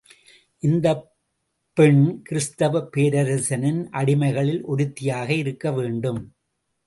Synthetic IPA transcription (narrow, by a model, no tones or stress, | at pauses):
ʔɪnd̪ɐ | pːɛɳkɪɾɪst̪ɐʋɐpeːɾɐɾɐsɐnɪnʔɐɽɪmɐɪɣɐɭɪlʔɔɾɯt̪ːɪjaːɣɐɪɾɯkːɐʋeːɳɖɯm